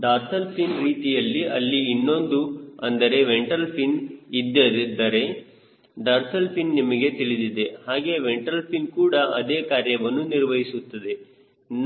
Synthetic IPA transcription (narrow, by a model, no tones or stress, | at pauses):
ɖaːɾt̪ʰɐlpʰinɾiːt̪ijɐlːiɐlːiːnːo̞nd̪uɐnd̪ɐɾe̞ʋeɳʈɐlpʰinid̪ːɐɾid̪ːɐɾe̞ | ɖaːɾt̪ɐlpʰinːimɐɡe̞t̪iɭid̪id̪e̞haːɡe̞ʋeɳʈɐlpʰinkuːɽɐɐd̪eːkaːɾjɐʋɐnːuniɾʋɐɦisut̪ːɐd̪e̞ | n